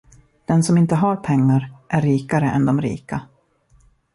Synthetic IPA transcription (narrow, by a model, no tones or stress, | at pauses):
d̪̥ɛnsɔmɪnt̪əɦaɾpʰɛŋːaɾʔæɾːiːkaɾəʔɛ̰nd̪ɔmɾḭːka